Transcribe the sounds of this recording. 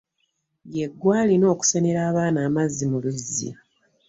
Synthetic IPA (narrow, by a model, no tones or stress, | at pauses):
jeɡːwaːlino̞ːku̥sene̞ɾaːβaːnaːmazːimuluzːḭ